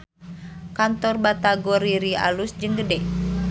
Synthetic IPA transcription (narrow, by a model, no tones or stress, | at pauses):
kant̪ɔrbat̪aɡɔɾiɾia̰lusd͡ʒəŋɡədɛ